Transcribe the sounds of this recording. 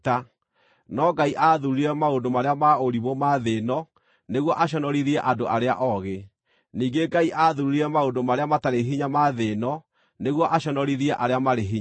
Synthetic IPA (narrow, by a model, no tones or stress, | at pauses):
ta | nɔɡaiʔaðuɾiɾɛmaondomaɾeamaoɾiβɔmaðenɔ | neɣwɔʔaɕ̬ɔnɔɾiɾiɛʔadoʔaɾea̰ʔɔɣe | niːɡeɡaiʔaðuiɾiɾɛmaondomaɾeamataɾeɦiɲamaðenɔ | neɣwɔʔaɕɔnɔɾiɾiɛʔaɾeamaɾeɦi